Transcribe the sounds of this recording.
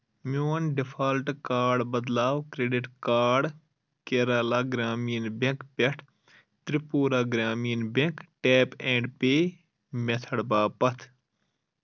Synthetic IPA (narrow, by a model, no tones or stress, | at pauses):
moːnɖipʰaːlʈkaːɾɖbɐd̪laːwkɾeːɖiʈkaːɾɖ | keɾaːlaːɡɾaːmiːnbẽkpeʈʰ | t̪ɾipuːɾaːɡɾaːmiːnbẽkʈeːpẽːɳɖpeː | met̪ʰəɽbaːpɐt̪ʰ